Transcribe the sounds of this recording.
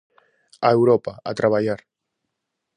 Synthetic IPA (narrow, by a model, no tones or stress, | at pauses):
aewɾopaa̰t̪ɾaβ̞aʎaɾ